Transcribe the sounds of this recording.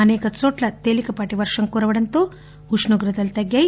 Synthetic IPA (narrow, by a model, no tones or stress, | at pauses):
ɐneːkɐt͡soːʈlɐt̪eːlikɐpaːʈiʋɐɾʂɐŋkuːɾɐʋɐɽɐnt̪oː | uʂnuɡɾɐd̪ɐlt̪ɐɡjaːj